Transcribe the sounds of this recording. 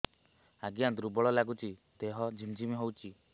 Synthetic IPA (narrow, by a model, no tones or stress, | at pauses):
aɡiad̪ɾubɔɭɔlaɡut͡ʃid̪̥eɦɔd͡ʒʱimd͡ʒimiɦowt͡ʃi